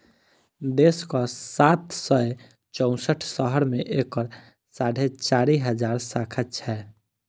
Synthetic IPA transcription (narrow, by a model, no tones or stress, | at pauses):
d̪eskɔsat̪səe | t͡ʃɔ̃ʊ̃səʈʰsəɦəɾmeʔekəɾ | saɽʱet͡ʃaɾiɦəd͡ʒaːɾsakʰət͡ʃʰɛ